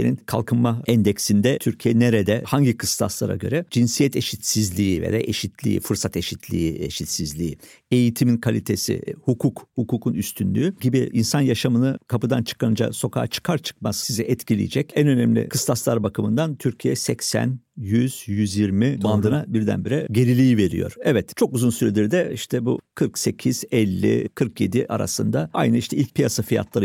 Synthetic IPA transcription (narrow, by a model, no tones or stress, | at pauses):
eninkʰa̰lˠkʰɯnmaɛnd̪ɛcsind̪ɛt̪ʰyɾcʰijɛneɾed̪ɛhaɲɟikʰɯst̪ʰa̰slˠa̰ɾa̰ɟø̞ɾɛd͡ʒinsijɛt̪e̞ʃit̪sizlʲiːivḛd̪a̰ʔeʃit̪ʰlʲḭḭfɯɾsat̪e̞ʃit̪ʰlʲḭieʃit̪sizlʲii | e̞jit̪ʰiminkʰalʲit̪ʰe̞sḭhukʰukhukuːkʰunyst̪ʰynlʲy̰ːyɟibiʔinsanjaʃamɯnɯkʰapɯd̪ant͡ʃʰɯ̥kʰanɯd͡ʒa̰so̞kʰa̰ːt͡ʃʰɯ̥kʰaɾt͡ʃʰɯ̥k̚mazsizɛʔɛt̪cʰilʲḭjid͡ʒɛc̚ɛnø̞nɛmlʲḭkʰɯ̥st̪ʰasˠaɾbakɯmɯnd̪ant̪ʰyɾcʰijɛsɛcsæ̰njyz̥jyzjiɾmibanˠd̪ɯnabiɾd̪æ̰nbiɾɛɟe̞ɾilʲijive̞ɾijo̞̰ɾ̥ɛvɛt̪t͡ʃʰo̞kuzunsyɾɛd̪iɾd̪ɛiʃt̪ʰɛbṵkʰɯɾkse̞cʰiz̥ɛlʲːḭkʰɯɾkʰje̞d̪iʔa̰ɾa̰sɯnd̪aa̰jnɯiʃt̪ʰɛilʲc̚pʰijasafija̰t̪ʰlˠaɾɯ